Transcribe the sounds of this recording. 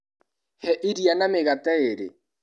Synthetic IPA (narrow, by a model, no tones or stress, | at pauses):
hɛʔɪɾianamɪɣatɛeɾḛ